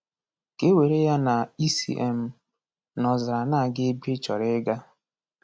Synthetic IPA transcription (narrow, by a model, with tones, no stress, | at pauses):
ke˦we˨ɾe˦ja˦na˨i˦sḭ˨ʔḛ˨m̩˨ | nɔ˨zɪ˨ɾa˨na˦˨ɡɪ˦be˦t͡ʃɔ˨ɾɪ˦ɡa˦